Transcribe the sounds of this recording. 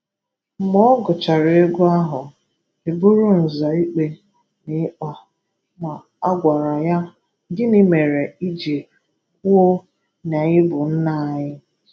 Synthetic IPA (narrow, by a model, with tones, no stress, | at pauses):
m̩˦mɔ˦ɡʊ˨t͡ʃa˨ɾɪ˨˦ɪ˦ɡʊ˦a˦ɦʊ˨ | e˨bu˦ɾu˦n̩˨za˨i˦k͡pe˨ | nɪ˦ɔ˨ | ma˨ | a˦ɡʷa˨ɾa˨ja˦ | ɡɪ˦ni˦me˨ɾe˨i˦d͡ʒe˨ | ku˦o˦ | na˨ɲɪ˦bʊ˨n̩˦na˨ɲɪ˦